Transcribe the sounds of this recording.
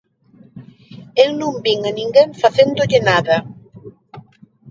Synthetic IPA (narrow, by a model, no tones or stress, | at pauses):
ewnũmbiŋanĩŋɡeŋfaθend̪ʊʎɪnaðɐ